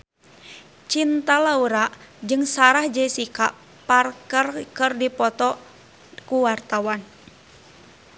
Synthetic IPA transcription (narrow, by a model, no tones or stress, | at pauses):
t͡ʃint̪alauɾaʔd͡ʒɨŋsaɾahd͡ʒɛsika̰ | parkərkɨrdipɔt̪ɔ | kuwart̪awan